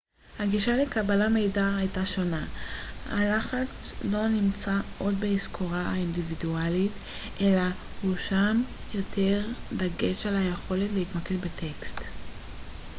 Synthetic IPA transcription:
haɡiʃale̞kabalame̞jdaajtaʃo̞naha̰laχat͡slo̞nimt͡saʔo̞dbeiskʰoʁaaindividualit | ʔe̞lahuʃam | jo̞tʰe̞ʁdaɡeʃalhajeχo̞letleitmakelbetʰe̞kst

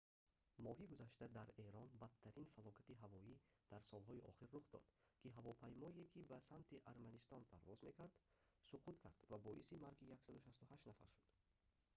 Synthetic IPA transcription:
mɔɦiɡuzaʃt̪ad̪aɾe̞ɾɔnbat̪ʰːæɾinfalɔkʰat̪iɦavɔid̪̥æɾsɔlɦɔiʔɔ̰χiɾːuχd̪ɔ̰d̪̥kʰiɦavɔpʰajmɔekʰibasamt̪ʰiʔaɾmanist̪ɔnpʰaɾvɔzme̞kʰaɾd̪suqʰut̪kʰaɾd̪̥vabɔʔisimaɾɡijaksad̪uʃast̪uhaʃnafa̰ɾʃud̪̥

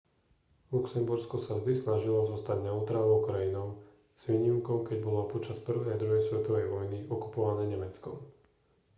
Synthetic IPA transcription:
luksɛmbuɾskɔsazd̪isnaʒilɔzɔst̪aɟnauːt̪ɾalɔʊkɾajinɔʊ | z̥ʋiːɲimkɔʊkɛɟbɔlapɔt͡ʃaspr̩ʋɛjd̪ɾɔjɛsʋɛt̪ɔʋɛjʋɔjniʔɔku̥pɔʋanɛːɲɛmɛt͡skɔ̰m

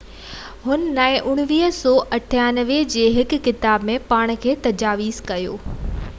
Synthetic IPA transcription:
ɦʊnə̆naːɪ̃ʔʊɽ̃ʋiːɦsɔːʔɐʈʰaːnəʋed͡ʑeːɦɪkkːɪt̪aːbmẽpaːɽ̃̆kʰeːt̪ɐd͡ʑaːʋiːzkɐjo̰ː

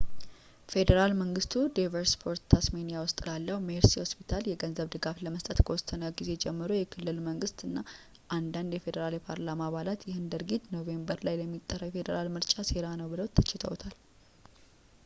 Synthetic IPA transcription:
fe̞d̪əɾalməŋɡɨst̪ʰud̪avəɾspʰo̞ɾt̪ʰːasmenijawʊst̪ʼlalːəhumeɾsihospit̪ʰaljɛɡənzəβd̪ɨɡafləməst̪ʼət̪kʰəwɔsənəɡize̞d͡ʒɛmːɨɾojɛkʰɨlːɨlməŋɡɨst̪ɨnːa | ʔand̪and̪jɛfe̞d̪əɾaljɛpʰaɾlamaβalat̪jɪhɨnd̪əɾɡit̪no̞ve̞mbəɾlajləmːit̪ʼːərːəwjɛfe̞d̪əɾalmɨɾt͡ʃʼaseɾanəwbɨləwt̪ʰːɨ̥t͡ʃːɪt̪ʰə̰wt̪ʰal

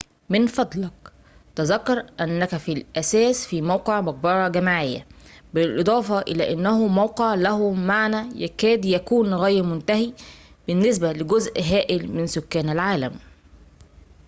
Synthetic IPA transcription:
mɪnfɑd̪ˤlɑk | t̪æzækːɑɾˤʔænːækæfilʔæsæːsfiːmæwqeʕmɑq̚bɑɾˤɑɡæmaʕɪjːæ̰bɪlʔɨd̪ˤɑːfɑʔɪ̰læ̰ːʔanːæhumawqeʕlæhʊmaʕnæjækæːd̪jækuːnɣæjɾmʊnt̪æhi | b̥ɪnːɪs̬bælɪɡʊzʔɦæːʔɪlmɪnsʊkːæːnælʕaːlæm

